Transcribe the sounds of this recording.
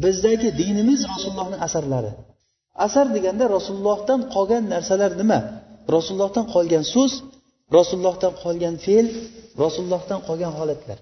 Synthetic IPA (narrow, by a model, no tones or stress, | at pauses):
bɪzd̪aɡʲɪd̪ɪnɪmɪzɾɒsʊlːˠɒhnɪŋasaɾlaɾɪ̰ | asaɾd̪eɡʲand̪aɾɒsʊllˠːɒhd̪anqʰɒɡʲanːaɾsalaɾnɪmaɾɒsʊlˠːɒhd̪anqʰɒlˠɡʲansʊz | ɾɒsʊlˠːɒhd̪anqʰɒlˠɡʲanfe̞lɾɒsʊlˠlˠːɒhd̪anqʰɒɡʲanɦɒlat̪ʰla̰ɾ